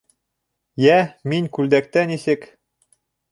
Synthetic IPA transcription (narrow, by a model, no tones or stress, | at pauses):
jæminʲkʉld̪æk̚t̪ænisɘ̆k